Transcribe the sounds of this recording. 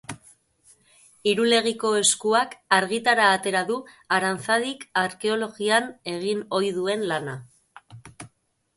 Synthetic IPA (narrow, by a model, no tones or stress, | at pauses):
iɾule̞ɣ̞iko̞e̞skuakaɾɣit̪aɾaːt̪e̞ɾaðu | aɾant͡saðikaɾke̞o̞lo̞ɣiane̞ɣino̞jðue̞nlana